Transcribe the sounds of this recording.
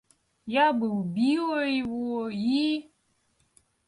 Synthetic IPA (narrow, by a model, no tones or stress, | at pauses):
jabəbioiwoji